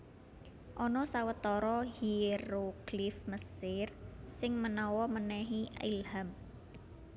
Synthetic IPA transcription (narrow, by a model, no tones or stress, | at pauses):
ʔɔnɔsawət̪ɔɾɔhiɾoɡ̥lɪfməsɪrsɪŋmənɔwɔmənɛɦiḭlham